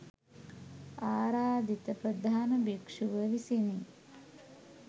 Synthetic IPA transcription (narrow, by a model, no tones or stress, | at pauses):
aːɾaːd̪it̪əpɾəd̪ʱaːnəbikʂuʋəʋisini